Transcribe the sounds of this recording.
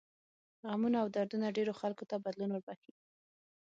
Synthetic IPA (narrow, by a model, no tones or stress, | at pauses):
ɣamunaːwd̪aɾd̪unaɖeɾoxalkot̪abad̪lunwʊɾbaxi